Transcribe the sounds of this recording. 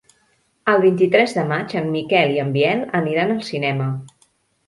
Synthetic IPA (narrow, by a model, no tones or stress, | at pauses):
əlˠβint̪it̪ɾɛzðəmad͡ʒəmːikɛliəmbiɛlˠəniɾanəlˠsinɛmə